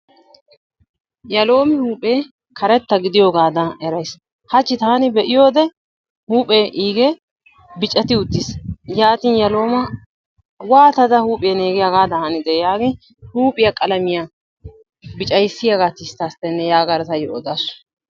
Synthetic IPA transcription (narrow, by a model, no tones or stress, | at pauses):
jɐlo̞ːmɪhuːpʼeː | kʰɐɾɛt̪ːɐɡɪd̪ɪjoːɡaːd̪ɐɛɾɐjs | hɐt͡ʃːɪt̪aːnɪbɛʔɪjo̞ːd̪ɛ | huːpʼeʔiːɡe | bɪt͡ʃʼːɛt̪ɪʊt̪ːisjaːt̪iːnjɐlo̞ːmɐ | waːt̪ɐd̪ɐhuːpʼɪjɐneːɡɪjaɡaːd̪ɐhɐnɪd̪ɛjaːɡɪn | huːpʼɪjɐkʼɐlɐmɪja | bɪt͡ʃʼɐjsːɪjaɡat̪ɪst̪ːɐːst̪ːɛnːɛjaːɡɐɾt̪ɐjɔɔd̪aːsʊ̥